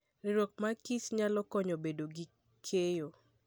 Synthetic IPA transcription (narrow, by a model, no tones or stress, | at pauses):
ɾɪɾok̚makisɲalɔkɔɲɔbedoɡi | kʰejo